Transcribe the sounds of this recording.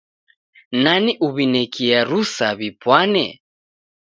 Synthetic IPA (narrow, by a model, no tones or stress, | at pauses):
naniʔuβinɛkiaɾusaβipwanɛ̰